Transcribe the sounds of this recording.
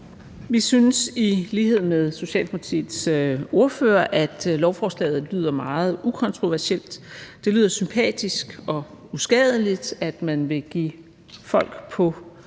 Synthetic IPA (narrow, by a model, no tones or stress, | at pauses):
ʋisynəsiliːɦe̝ð̞̰ˠmeðˠso̝ɕɛ̰ːlʰt͡sʰḭso̝ɐfø̰ːɐʔæd̥lɒʊfɒːslɛ̰ːð̩ˠly̰ːð̞̰ˠɐmɑ̈ːð̩ˠukʰɒ̽nt͡sʰʁo̝ʋæɐsel̰d̥d̥e̝lyːð̰ˠɐsympʰɛ̰ːd̥isɡ̥ɒ̽usɡ̥ɛð̞ˠlid̥æd̥mænʋe̝ɡ̥ḭː | fɒ̽l̰ɡ̥pʰɒ̽